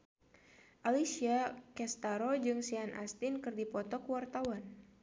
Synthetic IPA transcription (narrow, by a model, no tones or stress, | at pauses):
ʔalisiakɛst̪aɾod͡ʒɨŋsianʔa̰st̪ɪnkɨrdipɔt̪ɔkwart̪awan